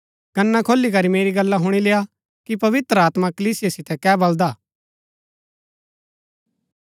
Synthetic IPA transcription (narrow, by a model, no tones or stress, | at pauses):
kɐnːakʰoːlːikɐɾimeːɾiɡɐlːaɦʊɽ̃ileːja | kipɐʋɪt̪ɾəaːt̪makɐliːsɪjasɪt̪ɛkɛːbɐld̪aː